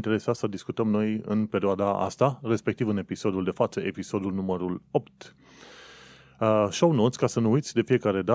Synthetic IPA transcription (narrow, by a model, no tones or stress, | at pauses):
nt̪eɾe̞sasəd̪iskut̪əmno̞jɨ̰npe̞ɾioad̪aa̰st̪are̞spe̞k̚t̪ivɨne̞piso̞d̪uld̪e̞fat̪səʔe̞piso̞d̪ulnuməɾulo̞pt̪ | ʃownot̪sʲkasənuujt̪sʲd̪e̞fije̞kaɾe̞d̪a